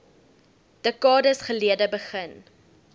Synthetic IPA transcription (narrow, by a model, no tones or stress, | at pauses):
d̥əkɑːdəsχəliədəbəχən